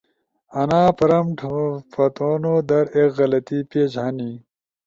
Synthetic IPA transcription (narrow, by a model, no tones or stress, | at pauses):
ɐnaːpɐɾɐmʈʰopɐt̪oːnoːd̪ɐɾekɣɐlɐt̪iːpeːd͡ʑɐni